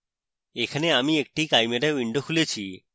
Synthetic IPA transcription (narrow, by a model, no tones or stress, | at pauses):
ekʰaneamiek̚ʈikajmeɾawiɳɖokʰulet͡ɕʰi